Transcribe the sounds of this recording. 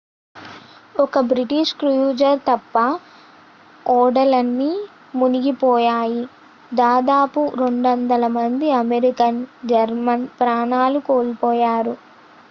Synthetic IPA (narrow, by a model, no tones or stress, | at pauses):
ɔkɐbɾiʈiʃkɾjuːd͡ʒɐɾt̪ɐpːɐ | ɔːɖɐlɐnːi | muniɡipɔːjaːji | d̪aːd̪aːpuɾe̞ɳɖʋɐnd̪ɐlɐmɐnd̪iɐmeɾikɐnd͡ʒɐɾmɐnpɾaːɳaːlukoːlpɔːjaːɾu